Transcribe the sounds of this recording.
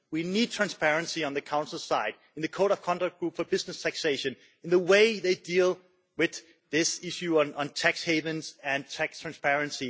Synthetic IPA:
winid̚tʰɹ̥æ̃nspʰɛɹɨ̃nsiə̃nðɨkʰãʊ̃nsl̩ˠsaɪd | ɨ̃n̩ðɨkʰoʊɾʌv̥kʰɑ̃ndæk̚ɡ̥ɹupfəbɪsnɨstʰækseɪʃɨ̃n | ɨ̃nðəweɪðeɪdilˠ | wɪð | ɪsɪʃʉə̃nə̃ntʰæksheɪvɨ̃nzɨ̃ntʰæktʰɹ̥æ̃nspɛɹɨ̃nsi

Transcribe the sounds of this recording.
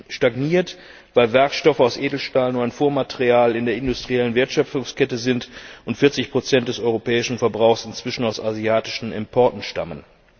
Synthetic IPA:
ʃtaɡniːɐt | v̥aɪlvɛɐkʃtɔfəaʊsʔeːdl̩ʃtaːlənuaɪnfoːɐmateʁiaːlɪndeːɐɪndʊstʁ̥iɛlənvɪɐtʃœfʊŋskɛtəzɪntʔʊntfɪɐt͡sɪçpʁ̥ot͡sɛnt̚d̥ɛsɔʏʁopɛːɪʃn̩fɛɐbʁaʊxsɪnt͡sv̥ɪʃn̩aʊsaziaːtɪ̥ʃn̩ɪ̰mpʰɔɐtn̩ʃta̰mən

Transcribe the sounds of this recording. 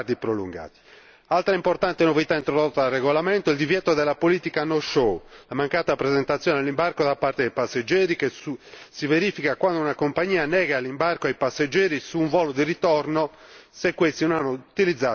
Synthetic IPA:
d̪ipɾolṵŋɡa̰ːt̪i̥ | alt̪ɾaimport̪ant̪enovit̪aint̪ɾod̪ot̪ːaalreɣolamɛnt̪oɛld̪ivjɛt̪od̪ɛlːapoliːt̪ikanɔʃolamaŋkaːt̪apɾɛzɛnt̪at̪sːjɔːned̪elːimbarkod̪apːaɾt̪ed̪ejpasːed͡ʒːɛːɾikesusiveɾifikakwand̪ounakompaɲːiːanɛːɣalːimbarkoajpasːed͡ʒːɛːɾisuːɱvɔːlod̪irit̪ɔrnosekːwest̪inɔnanːout̪ilid̪zːa

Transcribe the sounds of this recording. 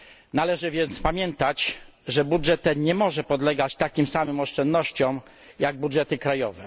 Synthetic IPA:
nalɛʐɘvʲjɛnt̪spamʲjɛnt̪at͡ɕ | ʐɛbudʐɛt̪ːɛnɲɛmɔʐɛpɔd̪lɛɡat͡ɕt̪akʲimsamɘmɔʂt͡ʂɛnd̪nɔɕt͡ɕɔm | jaɡ̚budʐɛt̪ɘkɾajɔvɛ

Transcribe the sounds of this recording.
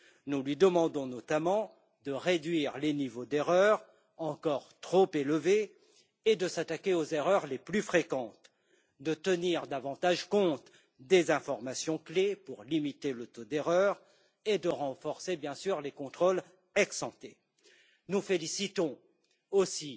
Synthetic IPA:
nulɥid̪əmɑ̃d̪ɔ̃nɔt̪amɑ̃ | d̪əʁed̪ɥiʁlenivod̪eʁœʁ | ɑ̃kɔʁt̪χopelveː | d̪əsat̪akʲeozeʁœʁleplyfχekɑ̃t̪ | d̪ət̪əniʁd̪avɑ̃t̪aʒkɔ̃t̪ | d̪ezɛ̃fɔʁmasjɔ̃klepuʁlimit̪elət̪od̪eʁœʁ | ed̪əʁɑ̃fɔʁsebjɛ̃syʁlekɔ̃t̪χol | ɛksɑ̃t̪e | nufelisit̪ɔ̃ | osi

